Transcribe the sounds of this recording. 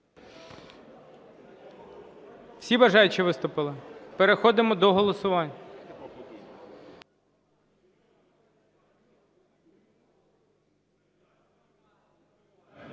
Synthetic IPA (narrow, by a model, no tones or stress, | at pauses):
w̥sʲibɐʒɑjʊt͡ʃiʋɪst̪ʊpɪlˠɪpeɾexɔd̪ɪmɔd̪ɔɦɔlˠɔsʊʋɑnʲːɐ